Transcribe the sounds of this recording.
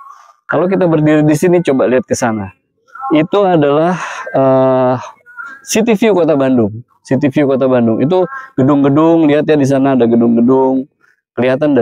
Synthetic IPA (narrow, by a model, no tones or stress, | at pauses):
kalok̬it̪abərdiɾidisinit͡ʃobaliat̪̚kəsana | it̪uadalahəhsit̪ifiukot̪̬abandʊŋ | sit̪̬ifiukot̪abandʊŋʔḭt̪̬uɡ̥ədʊŋɡədʊŋliɦat̪̚jadis̬anaːdaɡədʊŋɡədʊŋ | kəliat̪anda